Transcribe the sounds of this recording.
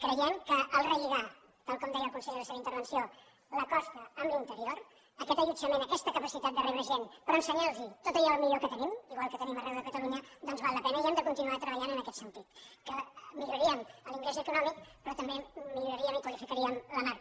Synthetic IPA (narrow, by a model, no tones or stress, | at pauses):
kɾəjɛmkəʔəlˠrəʎiɣa | t̪alˠkɔmd̪ɛjəlˠkunsɛʎdələseβəint̪əɾβ̞ənsio | ləkɔst̪əːmblint̪əɾioɾ | əkɛt̪əʎud͡zəmenəkɛst̪əkəpəsit̪at̪d̪ərɛβɾəʒenpɾɔənsəɲaɾzit̪ot̪əʎɔlˠmiʎokət̪ənimiɣwalˠkət̪ənimərɛwðəkət̪əluɲəd̪ɔnzβalˠːəpɛnəiɛmd̪əkunt̪inuat̪ɾəβəʎanənəkɛt̪sənt̪it̪kəmiʎuɾiəməliŋɡlezəkunɔmikpɾɔt̪əmbemiʎuɾəɾiəmikwəlifikəɾiəmləmar